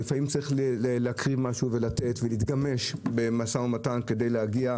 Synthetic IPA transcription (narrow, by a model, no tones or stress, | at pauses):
ifaimt͡saʁiχlelehakʁivmaʃuve̞lat̪e̞tvelit̪ɡame̞ʃbe̞masaomatanke̞de̞jlehaɡia